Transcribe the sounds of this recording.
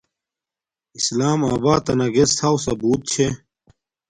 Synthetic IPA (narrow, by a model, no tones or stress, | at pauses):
islaːmaːbaːt̪ɐnɐɡesʰawsɐbuːt̪̚t͡ɕʰe